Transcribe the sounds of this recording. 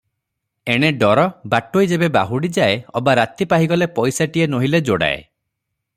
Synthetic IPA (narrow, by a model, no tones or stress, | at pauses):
eɽ̃eɖɔɾɔbaʈoid͡ʒebeba̰ɦuɽid͡ʒaeɔbaɾat̪ipaɦiɡɔlepɔjsaʈienoɦiled͡ʒoɽa̰ḛ